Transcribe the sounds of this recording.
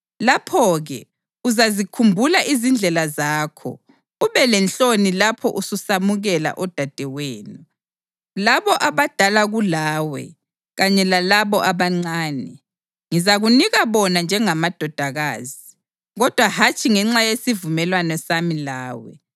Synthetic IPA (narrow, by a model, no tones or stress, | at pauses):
lapʰɔɣɛ | uzazikʰumbʱulaʔizind͡ɮʱɛlazaːkʰɔ̰ | uβɛlɛnt͡ɬonilapʰɔ̰ʔususamuɣɛla̰ʔɔd̥ʱad̥ʱɛweːnu | laβɔʔaβad̥ʱalaɣulaːwɛ̰ | ɣaɲɛlalaβɔʔaβaŋ͡ǀaːnɛ | ŋizaɣuniɣaβɔnand͡ʒʱɛŋamad̥ʱɔd̥ʱaɣaːzi | ɣɔd̥ʱwahat͡ʃʰʼiŋɛŋ͡ǁajesivumɛlwanɔsamilaːwɛ̰